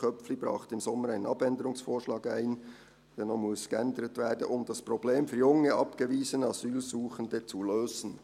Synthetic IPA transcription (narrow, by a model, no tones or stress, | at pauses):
kœpflibɾɑ̰ːχtəɪmsɔmːəɾæɪnənɑbɛndəɾʊŋsfoːɹʃlɑːɡæɪn | d̥ɛnɔmʊskəɛndəɾətvɛːdnʔʊmd̥ɑspɾobleːmfyːɾjʊŋəʔɑpɡ̥əviːzənɑzyːlzuːχəndət͡suløːz̥ən̩